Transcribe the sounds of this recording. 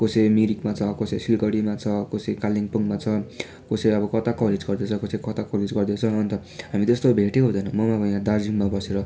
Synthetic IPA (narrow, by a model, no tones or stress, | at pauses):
kosemiɾikmat͡sʰʌkosesilɡʌɽimat͡sʰʌkosekaliŋpuŋmat͡sʰʌ | koseʌbʌkʌt̪akʌled͡zɡʌrd̪et͡sʰʌkosekʌt̪akʌled͡zɡʌrd̪et͡sʰʌʌnt̪ʌ | ɦamit̪est̪obʱeʈekɦũd̪ʌjnʌmʌmabʌjãd̪ard͡ziŋmabʌseɾʌ